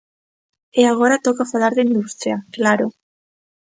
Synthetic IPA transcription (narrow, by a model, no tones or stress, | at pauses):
eaɣ̞oɾat̪okafalaɾðeind̪ust̪ɾiaklaɾo